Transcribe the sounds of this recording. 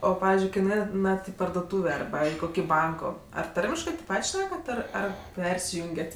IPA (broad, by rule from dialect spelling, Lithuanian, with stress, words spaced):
ˈoː ˈpɑːʋʲɪzʲd͡ʒʲʊɪ ˈkɐɪ nʊˈɛɪnɐt ɪ pɐrdoːˈtuːʋʲeː ɐrˈbɐ ɪ ˈkoːkʲɪ ˈbɐŋkoː ɐr ˈtɐrʲmʲɪʃkɜ tʲeːp ˈpɐtʲ ˈʃʲnʲæːkɐt ˈɪr ˈɐr ˈpʲɛrʲsʲɪjʊŋʲɡʲɛtʲ